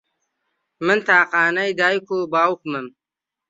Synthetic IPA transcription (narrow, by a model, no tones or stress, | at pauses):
mənt̪aːqaːnɐjd̪aːjkoːbaːwkməm